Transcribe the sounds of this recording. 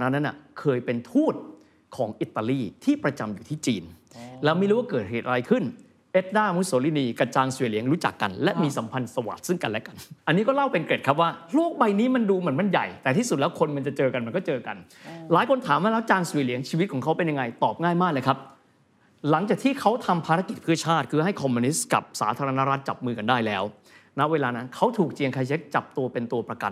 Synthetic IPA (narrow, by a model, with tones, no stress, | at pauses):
na˦˥nːa˦˥nʔa̰˨˩kʰɤː˧jpe˧nt̪ʰuː˥˩t̪̚ | kʰɔː˩˦ŋʔi˨˩t̪ːa˧liː˧˥˩t̪ʰiː˥˩pɾa˧t͡ɕa˧mjuː˨˩t̪ʰiː˥˩t͡ɕiː˧nlɛː˦˥wm˦˥˩ɾuː˦˥wa˥˩kɤː˨˩t̪̚ɦeː˨˩t̪̚ʔa˧ɾa˧jkʰɯ˥˩n | ʔe˦˥t̪̚daː˥˩˧mu˦˥t̪̚soː˩˦li˧˩niː˧ka˧˩t͡ɕaː˧ŋsu˨˧li˩˦əŋɾuː˦˥t͡ɕa̰˨˩kːa̰˧nlɛ˦˥miː˧sa˩˦mpʰa˧nsa˧wa̰˨˩t̪̚sɯ˥˩ŋka˧nlɛ˦˥ka˧nʔa˧nːiː˦˥kɔː˥˩la˥˩wpe˧nke˨˩t̚kʰa˦˥p̬̚waː˥˩luː˥˩ək̚ba˧jniː˦˥ma˧nduː˧mɯ˨˩˦ənma˧nja̰˨˩jt̪ɛː˨˩iː˥˩su˨˩t̪̚lɛ˦˥wkʰo˧nma˧nt͡ɕa˨˩t͡ɕɤː˧ka˧nma˧nkɔː˥˩t͡ɕɤː˧ka̰˧nlaː˨˩˦jkʰo˧nt̪ʰaː˩˦mwaː˥˩lɛː˦˥wt͡ɕaː˧ŋsu˨˧˦li˩˦əŋt͡ɕʰiː˧wt̪̚kʰɔː˩˦ŋkʰa˦˥wpe˧nja˧ŋa˧jt̪ɔː˨˩p̚ŋaː˥˩jmaː˥˩k̚lɤː˧˩kʰa˦˥p̚ | la˩˦ŋt͡ɕaː˨˩k̪̚ʰiː˥˩kʰa˦˥wt̪ʰa˧mpʰaː˧ɾa˦˥ki˨˩t̪̚pʰɯ˥˩ɐt͡ɕʰaː˥˩t̪̚kʰɯː˧ɦa˥˩jkʰɔː˧muː˧ni˦˥ska̰˨˩p̚saː˩˦t̪ʰaː˧ɾa˧na˦˥ɾa˦˥t̪̚t͡ɕa˨˩p̚mɯː˧ka˧ndaː˥˩jlɛː˦˥w | na˦˥ʔweː˧laː˧na˦˥nkʰa˦˥wt̪ʰuː˨˩k̚t͡ɕi˧əŋkʰa˧jt͡ɕʰe˦˥k̚t͡ɕa˨˩p̚t̪u˧ɐpe˧nt̪u˧ɐpɾa˧ka̰˧˩n